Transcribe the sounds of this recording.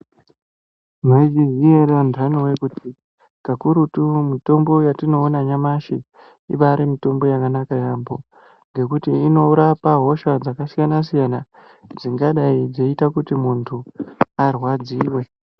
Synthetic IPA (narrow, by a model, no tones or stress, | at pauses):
nod͡ʒizieɾandanowekuti | kakuɾutumito̞mbo̞jatino̞ːnaɲamaʃi | iʋaɾemito̞mbo̞jakanakajambo̞ | ŋɡe̞kutiːno̞uɾapaɦo̞ʃad͡zakasijanas̬ijana | d͡ziŋɡaɗaid͡ze̞itakutimuntʰuarwad͡ziːwe̞